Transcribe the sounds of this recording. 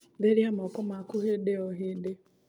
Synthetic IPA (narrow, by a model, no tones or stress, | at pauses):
deɾjamɔkʊmakʊɦedeɔɦɪdɪ